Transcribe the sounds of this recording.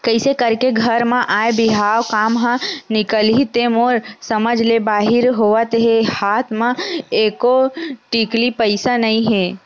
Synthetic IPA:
kəɪsekəɾkeɡʱəɾmãʔaːebɪɦaːʋkaːmɦə̃nɪkəlɦit̪emoːɾsəməd͡ʒʱlebaːɦɪɾɦoːʋət̪ɦehaːt̪ʰmãeːkoʈiːklipəɪsanɐĩɦẽː

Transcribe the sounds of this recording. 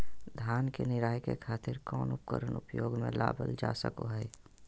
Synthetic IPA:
d̪ʱjaːnkenɪɾaːjkḛkʰaːt̪ɪɾkɔːnʊp̚kə̰ɾənʊpjoːɡmẽla̰ːbə̰ld͡ʒa̰ːsə̰koɦɛː

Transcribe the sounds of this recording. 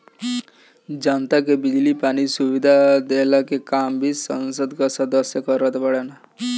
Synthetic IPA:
d͡ʒant̪akebɪd͡ʒlipanisuʋid̪ʱad̪elakekambʱisənsəd̪kasəd̪əsjəkəɾət̪bəɽena

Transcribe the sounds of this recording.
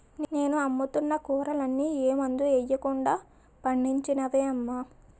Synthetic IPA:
nne̞ːnuɐmːut̪unːɐkuːɾɐlɐnːiːeːmɐnd̪uɛjːɐkuɳɖaː | pɐɳɖiɲt͡ʃinɐʋeːɐmːa

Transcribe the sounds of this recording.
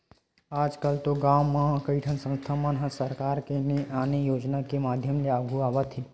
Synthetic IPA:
aːd͡ʒkəlt̪oɡaːmːãkəiʈʰənsə̃nst̪ʰamãnɦãsəɾkaːɾkeneʔaːnejoːd͡ʒnakemaːd̪ʱjəmleaːɡʱuaːʋət̪i

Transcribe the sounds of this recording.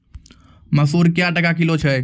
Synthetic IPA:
məsuːɾkjaʈəkakilot͡ʃʰə

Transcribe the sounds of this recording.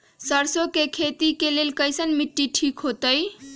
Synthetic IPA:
səɾsokekʰet̪ikelelkəjsənmiʈːiʈʰikɦot̪əj

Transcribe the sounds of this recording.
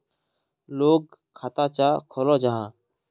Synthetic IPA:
loːɡ̚kʰːaːt̪aːt͡ʃaːkʰoːlõːd͡ʒaɦãː

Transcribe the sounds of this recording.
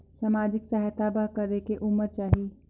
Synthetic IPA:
saːmaːd͡ʒɪksaɦt̪abaɦkəɾekeʔʊməɾt͡ʃaːɦiie

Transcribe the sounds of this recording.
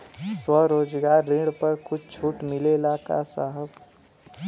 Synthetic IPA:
swəɾoːd͡ʒɡaːɾːĩɽpəɾkʰʊdt͡ʃʰuːʈmɪlelaka̰sa̰ɦəb

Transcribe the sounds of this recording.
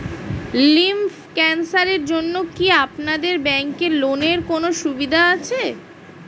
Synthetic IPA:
limf | kɛnsaɾeɾd͡ʑonːokiapnad̪eɾbɛŋkeɾloneɾkonoʃubid̪ʱaat͡ɕʰe

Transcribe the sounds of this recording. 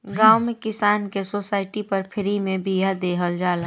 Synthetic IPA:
ɡãːʊmẽkɪsaːnkesoːsaːɪʈipɐɾpʰɪɾimẽbiɦad̪eːɦəld͡ʒaːla

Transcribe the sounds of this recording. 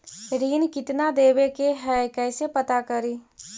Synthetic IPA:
ɾiːnkɪt̪nad̪eːwekeɦɛkɛːsepɐt̪akəɾiː

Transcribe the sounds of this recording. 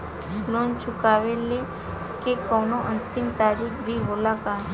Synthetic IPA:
loːnt͡ʃʊkaːʋele | kekɔːnoʔə̃nt̪ɪmt̪aːɾiːkbʱiboːlakaː

